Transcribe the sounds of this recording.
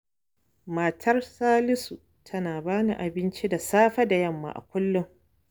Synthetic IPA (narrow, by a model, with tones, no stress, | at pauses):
ma˨tʰɐ˦rsaː˦lɪ˦su˨ | tʰɐ˦naː˨baː˦nḭ˨ʔa˨bɪ˦nt͡ʃi˦da˨saː˦ɸɐ˦da˨jɐ˦˨mːa̰ː˨ʔa̰˨kʷʊ˦lːʊ˦ŋ